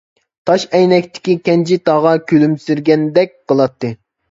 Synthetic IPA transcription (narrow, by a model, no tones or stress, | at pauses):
t̪ʰɑʃɛjnɛkʲt̪ʰɪ̥kʲikʲɛnt͡ʃʰit̪ɑʁɑkʲʰølymsyɾɡʲɛnd̪ɛk̚ʲqəlˠɑt̪ʰːɨ